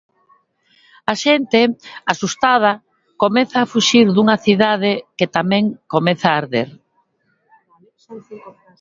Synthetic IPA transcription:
aʃent̪easust̪að̞ɐ | komɛθaːfuʃiɾðuŋɐθiðað̞eket̪amɛ̃ŋkomɛθaːɾðeɾ

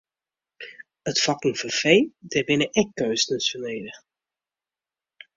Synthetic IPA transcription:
ətfɑkəŋ̩fəfejdɛbɪnəʔɛkːøːsnəsəneːdə

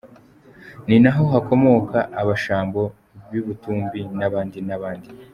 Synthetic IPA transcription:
ninaɦo̞ɦako̞mo̞kaːβaʃaːmbo̞ | βjuβutuːmbinaβaːndinaβaːndi

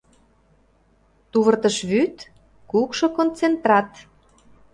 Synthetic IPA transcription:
t̪uβərt̪ə̆ʃβyt̪ | kukʃŏkont͡sent̪rɑt̪

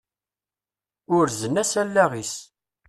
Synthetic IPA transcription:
ʊɾzənæsælːæʁis

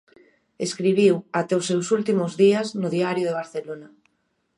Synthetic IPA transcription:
eskɾiβ̞iwat̪ɛʊsewsult̪imʊzðiaznʊðiaɾjoðeβ̞aɾθelona

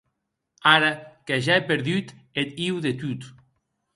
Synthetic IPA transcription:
aɾakeʒaepeɾðyt̪et̪iwðet̪ut̪

